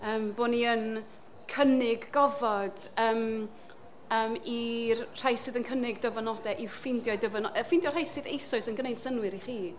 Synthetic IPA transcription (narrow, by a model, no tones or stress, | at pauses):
əːmboːniən | kʰənɪɡːɔvɔd̥əːm | əːmirr̥ajsɨðənkʰənɪɡdəvənɔdɛʔɪfɪndjɔɨdəvənɔʔəfɪndjɔr̥ajsɨðejsʊɨsənɡənejd̥sənwɨɾiχiː